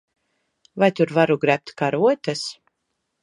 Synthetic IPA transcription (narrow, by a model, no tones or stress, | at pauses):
vajt̪uɾvaɾuɡɾæp̚t̪kaɾuɔt̪ʲɛs